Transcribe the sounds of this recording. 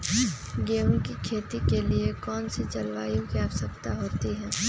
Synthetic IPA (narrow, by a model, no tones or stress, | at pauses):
ɡeːũkikʰeːt̪ikeliekɔːnsit͡ʃɐlʋa̰ːjõkiaʋsəkt̪aɦoːt̪iɦɛ̃ː